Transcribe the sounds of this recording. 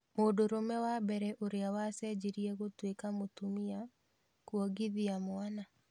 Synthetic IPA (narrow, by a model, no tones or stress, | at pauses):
modoɾomɛwabɛɾɛʔoɾeawasɛd͡ʒiɾiɛɣotwekamotumia | kwɔɡiðiamʊana